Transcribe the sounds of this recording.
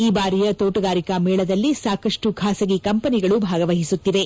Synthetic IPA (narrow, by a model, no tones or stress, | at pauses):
iːbaːɾijɐt̪oːʈɐɡaːɾikɐmɛːɭɐd̪ɐlːisaːkɐʂʈuɡʰʱaːsɐɡikɐmpɐniɡɐɭubʱaːɡɐʋɐɦisut̪ːiʋe̞